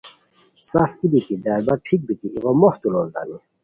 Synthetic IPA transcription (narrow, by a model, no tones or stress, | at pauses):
safk̪ibit̪id̪æːlbat̪̚pʰik̚bit̪iiʁomɔht̪ulold̪a̰ni